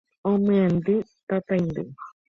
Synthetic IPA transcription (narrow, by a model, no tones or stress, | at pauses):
õmɨ̃and̪it̪at̪ajnd̪ɨ